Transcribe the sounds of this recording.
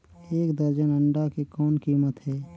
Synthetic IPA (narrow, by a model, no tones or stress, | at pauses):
eːkd̪əɾd͡ʒənəɳɖakekɔːnkiːmət̪ɦɛː